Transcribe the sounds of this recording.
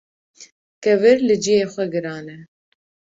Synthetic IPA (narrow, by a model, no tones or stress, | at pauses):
kɛvɨɾlɨd͡ʒijeːxʷɛɡɨɾɑːnɛ